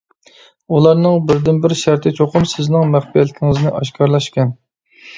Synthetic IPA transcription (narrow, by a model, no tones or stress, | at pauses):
ulˠɑɾnɨŋbɪɾd̪ɪnbɪɾʃæɾt̪ʰɪt͡ʃʰoqʊmsɪznɪŋmæχpijɛt̪lːɪkʲʰiŋɪznɪʔɑʃkʰɑɾlˠɑʃkʲɛn